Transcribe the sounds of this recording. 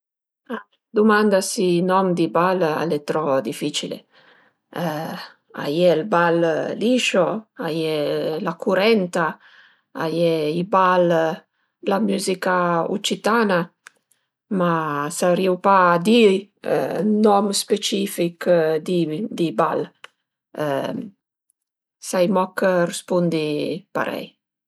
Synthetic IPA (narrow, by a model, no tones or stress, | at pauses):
a | d̪umand̪asinɔmd̪ibala̰let̪ɾɔd̪ifit͡ʃilḛ | a̰jɛlballiʃoajɛlakuɾɛnt̪a | a̰jɛibal | lamuzikaṵt͡ʃit̪ana | masaɾiwpad̪ḭ | nɔmspet͡ʃifikd̪id̪iba̰l | sajmɔkəɾɛspund̪ipa̰ɾɛ̰j